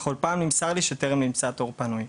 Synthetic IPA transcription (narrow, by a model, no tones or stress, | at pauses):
χo̞lpaːmnimsaʁliʃet̪eʁemnimt͡sat̪oʁpanuj